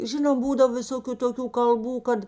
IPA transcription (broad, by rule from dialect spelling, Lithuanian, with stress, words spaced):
ˈʒʲɪnoːm ˈbuːdɐw ʋʲɪˈsoːkʲʊ toːˈkʲuː kɐlˠˈbuː ˈkɐt